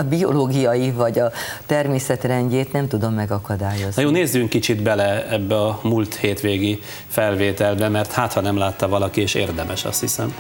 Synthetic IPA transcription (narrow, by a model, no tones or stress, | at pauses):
ɒbio̞̰loːɡijɒjivɒɟɒt̪ɛrmeːsɛt̪rɛɲɟeːt̪nɛmt̪ud̪o̞mːɛɡɒkɒd̪aːjo̞zjoːneːzːyŋkːit͡ʃid̪bɛlɛɛbːɛɒmult̪heːt̪ʋeːɡi | fɛlveːt̪ɛlbɛmɛrt̪haːt̪hɒnɛmlaːt̪ːɒvɒlɒkieːʃḛːrd̪ɛmʔɛʃɒ̰st̪hisɛm